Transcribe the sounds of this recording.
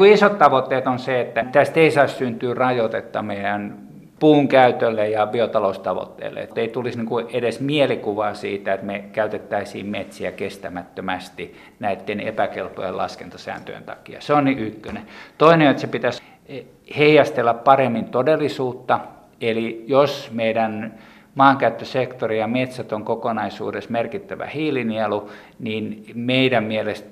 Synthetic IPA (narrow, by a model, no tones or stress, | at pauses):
uisot̪t̪ɑʋot̪ːeːt̪onseet̪ːæt̪æst̪eisɑissynt̪yːrɑjot̪et̪ːɑ̰meijæn | puːŋkæyt̪ølːejjɑbiot̪ɑloust̪ɑʋo̰t̪ːḛːlːḛḛt̪ːeit̪ulisniŋkuedesmielikuʋɑːsḭːt̪æet̪mekæyt̪et̪ːæisḭːmmet̪siækest̪æmæt̪ːømæst̪i | næit̪ːenḛpækelpo̰jḛlɑ̰skent̪ɑsæ̰ːnt̪ø̰jḛnt̪ɑ̰kiɑ̰seonniʔykːønet̪oineoet̪sepit̪æs | heijɑst̪elːæppɑremːint̪odelːˑisuːt̪ːɑ | elijosmeidæn | mɑːŋkæyt̪ːøsekt̪orijɑmet̪sæt̪oŋkokonɑisṵːdesmerkit̪ːæʋæ̰hiːlinielu | niːnmeidæmmielest̪